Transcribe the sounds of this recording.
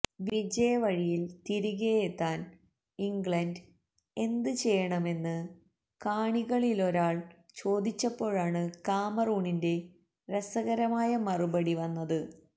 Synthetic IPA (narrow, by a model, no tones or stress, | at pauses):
ʋid͡ʑɐjɐʋɐɻijilt̪iɾuɣejet̪ːaːn | iŋɡɭɐnd | e̞nd̪ɨt͡ɕe̞jːɐɳɐme̞nːɨ | kaːɳiɣɐɭilo̞ɾaːɭ | t͡ɕo̞ːd̪it͡ɕːɐpːo̞ːɻaːɳɨkaːmɐruːɳinde̞ | resɐɣɐɾɐmaːjɐmɐrubɐɽiʋɐnːɐðɨ